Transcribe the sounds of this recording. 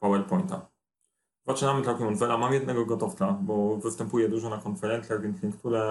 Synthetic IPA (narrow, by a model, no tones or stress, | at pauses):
pawɛlpɔjnt̪a̰ | zat͡ʂɘnamɘt̪ɾakimɔnfɛlamamjɛd̪nɛɡɔɡɔt̪ɔft̪sabɔvɘst̪ɛmpujɛd̪uʐɔnakɔnfɛɾɛnt̪sjaɣvʲjɛnt̪sʲlʲiŋkt̪uɾɛ